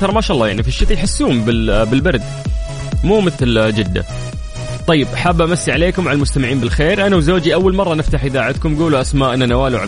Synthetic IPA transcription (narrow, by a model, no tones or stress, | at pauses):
ɑɾˤmaʃaːʔlːˤɑːjaʕnifiʃːɪt̪ljħasːuːmbɪbɪlbɑɾd̪ | muːmɪθld͡ʒɪd̪ːa̰ | t̪ˤɑjːɪbʔaħabːʔamasːiʕaleːkʊmwʕalalmʊst̪amɪʕiːnbɪlxeːɾʔanawzoːd͡ʒiʔawːalmɑrˤːɑnɪft̪aħʔɪðaːʕat̪̚kʊmɡuːluʔasmaːʔɪnːanawaːluʕa̰